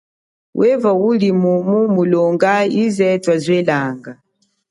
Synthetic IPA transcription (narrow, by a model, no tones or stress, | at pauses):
wʔɛvawulimumumulɔŋɡaizɛtwazwɛlaŋɡa